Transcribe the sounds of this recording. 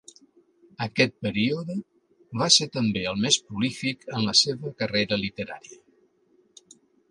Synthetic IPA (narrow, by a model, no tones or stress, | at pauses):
əkɛt̪̚pəɾiuðə | βaset̪əmbeəlˠmespɾulifikənləseβəkəreɾəlit̪əɾa̰ɾiə